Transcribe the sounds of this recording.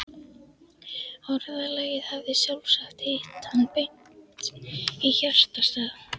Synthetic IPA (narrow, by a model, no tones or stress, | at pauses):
ɔɾðalɛjɪðhavðɪsjawlsaxt̪ɪht̪anpejn̥ | t̪içœl̥st̪ast̪aːð